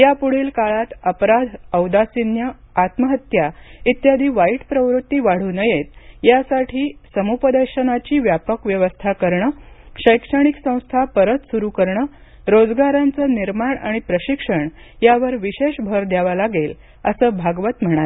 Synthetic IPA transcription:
japuɽ̤iːlkaɭat̪əpɾad̪ʱəwd̪asinjə | at̪məɦət̪jait̪jad̪ʱiːʋaiʈpɾəʋɾut̪ːiːʋaɽ̤uːnəjet̪jasaʈʰiːsəmupəd̪əɾɕənat͡ɕiːʋjapəkʋjəʋəst̪ʰakəɾɳəɕəjkʂəɽ̃iksə̃w̃st̪ʰapəɾət̪suɾukəɾɳə | ɾod͡zɡaɾant͡səːniɾmaɳa̰ɽ̃ipɾəɕikʂəɳjaʋəɾʋiɕeʂbʱəɾd̪jaʋalaɡel | əsəːbʱaɡʋət̪m̤əɽ̃at̪

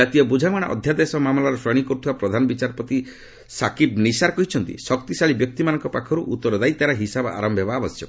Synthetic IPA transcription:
d͡ʒat̪ijɔbud͡ʒʱamaɽ̃a̰ʔɔ̰d̪ʱjad̪esɔmamlaɾɔsɾɔɽ̃ikɔɾut̪ʰibapɾɔd̪ʱanɔbit͡ʃaɾɔpɔt̪i | sakibnisaɾɔkɔɦit͡ʃʰɔnt̪ḭsɔkt̪isaɭibjɔk̚t̪imanɔ̃ŋkɔpakʰɔɾuʔut̪ːɔɾɔd̪ajt̪aɾaɦisaba̰ɾɔmbʱɦebaːbɔsjɔkɔ

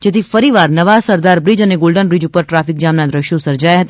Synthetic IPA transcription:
d͡ʒet̪ʰifəɾiʋaɾnəʋasəɾd̪aɾbɾid͡ʒəneɡolɖənbɾid͡ʒupəɾʈɾafik̚d͡ʒamnad̪ɾəʃjosəɾd͡ʒajɦət̪a

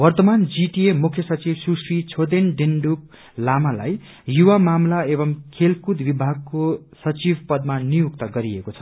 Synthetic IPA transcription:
wʌrt̪ʌmand͡ziʈiemukʰjʌsʌt͡sibsusrit͡sʰod̪enɖinɖup̚ | lamala̰j | juwamamlaebʌmkʰelkud̪bibʱaɡ̚ko | sʌt͡sibpʌd̪̚manijukt̪ʌɡʌɾiekot͡sʰʌ̥

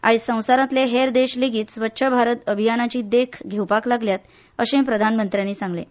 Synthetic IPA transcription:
a̰issə̃w̃saɾãt̪leɦeɾd̪eɕleɡiːt̪sʋətːɕʰəbʱaɾət̪əbʱijanat͡ɕiːd̪ekʰɡʱewpaklaɡljat̪ | əɕẽpɾəd̪ʱanmənt̪ɾijaniːsãŋɡlḛ

